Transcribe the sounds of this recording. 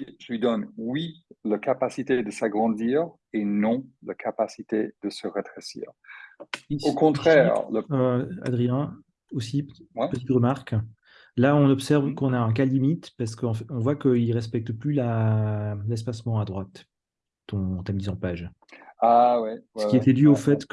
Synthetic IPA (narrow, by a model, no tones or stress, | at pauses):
ʒ̥əlɥid̪ɔnwilakapasit̪ed̪əsaɡʁɑ̃d̪iːʁ | enɔ̃lakʰapasit̪ed̪̥əsəʁət̪χesḭːʁ | iokɔ̃t̪χɛʁləa̰d̪ʁijɛ̃ | osipət̪it̪ʁəmaʁk | laɔ̃nɔpsɛʁvkɔ̃naɛ̃k̬alimit̪paʁs̬ə̥kəɑ̃fɛɔ̃vwakəilʁɛspɛk̚t̪əplyla | lɛs̬pasmɑ̃ad̪ʁwat̪ː | ɔ̃t̪ɛmd̪izɑ̃paʒ | awiəkiɛt̪ɛd̪yofɛt̪k